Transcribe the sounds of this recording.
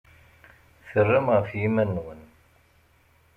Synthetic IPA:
θərːəmʁəfjimænːwən

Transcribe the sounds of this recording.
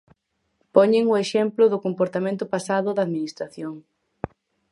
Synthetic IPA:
pɔɲeŋʊeʃɛmplʊðʊkompoɾt̪amẽnt̪ʊpasaðʊðaːðminist̪ɾaθjoŋ

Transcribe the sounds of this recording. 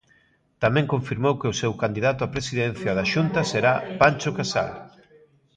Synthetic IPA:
t̪amɛ̃ŋkoɱfiɾmowkɪʊsewkand̪iðat̪ʊapɾesiðen̟θjaðaʃunt̪ɐseɾapant͡ʃʊkasa̰l

